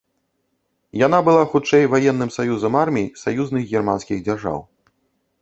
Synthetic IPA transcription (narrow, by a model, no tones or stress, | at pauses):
jan̪abɨlˠaxut͡ʂɛjvajɛnːɨmsajuzɐmarmʲijsajuznɨɣɣʲɛrma̰nskʲiɣd͡zʲarʐa̰w